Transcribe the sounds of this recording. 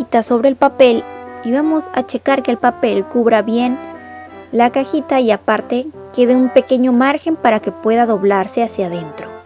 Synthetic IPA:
it̪aso̞βɾe̞ːlpape̞liβamo̞sa̰t͡ʃe̞kaɾke̞ːlpape̞lkuβɾaβje̞n | lakaxit̪aiapaɾt̪e̞ | keðeumpe̞ke̞ɲo̞maɾxempaɾake̞pwe̞ðaðo̞βlaɾse̞asjaðe̞nt̪ɾo̞

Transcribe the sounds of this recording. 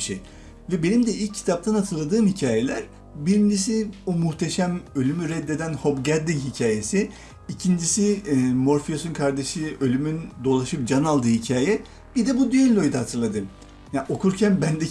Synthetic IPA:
ʃḛj | vɛbe̞nimd̪ɛilʲc̚ʰːi̥t̪ʰap̚t̪ʰanhat̪ʰɯɾlˠad̪ɯːmhicʰaːje̞lʲæɾ̥ | biɾind͡ʒis̬iumuht̪ʰe̞ʃæmø̞lʲymyɾɛd̪ːe̞d̪ænho̞bɟæɾd̪inhicʰaːje̞si | icʰind͡ʒisimo̞ɾfijo̞sunkʰaɾd̪e̞ʃɯø̞lʲymynd̪o̞lˠaʃɯp̚d͡ʒanalˠd̪ɯːhicʰaːjɛ | b̥id̪ɛbud̪yjønʲlːʲo̞jd̪aɦat̪ʰɯɾlˠad̪ɯm | jaʔo̞kʰuɾcʰænbænd̪ɛ

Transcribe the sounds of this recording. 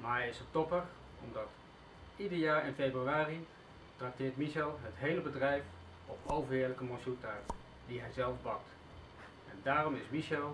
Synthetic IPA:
maːɛjɪsətɔpər | ɔ̰mdɑt | idəɹjaːɹɪnfebryaːri | trak̚tɪːɹtmiʃɛlˠɦətɦejləbədrɛjf | ɔpowvəɹɪːɹləkəmɔnsutaɹ | d̥iɦɛjzɛlˠfbɑk̚t | ɛndaːrɔmɪsmiʃɛlˠ

